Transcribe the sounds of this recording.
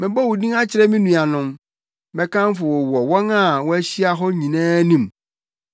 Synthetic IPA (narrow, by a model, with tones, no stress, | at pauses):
mɪ̃˨bɔ˦wu˨dĩ˦ŋã˦t͡ɕʰɪ˨ɾɛ˦mĩ˦nũ˨a˨nʊ̃˨m | bɛ̃˦kã˦m˦fʊ˨wɔ˨wɔ˨wɔ̃˦nã˦˨wɔ̃˦æ˦ɕi˦a˦ɦɔ˦ɲĩ˨nɛ̃ː˦nĩ˨m